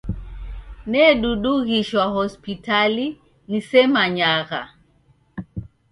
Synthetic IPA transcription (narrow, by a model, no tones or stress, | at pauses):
nɛɗuɗuɣiʃwahɔspitali | nisɛmaɲaɣa